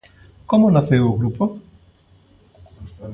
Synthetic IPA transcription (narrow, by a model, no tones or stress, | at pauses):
komonaθewoɣɾupo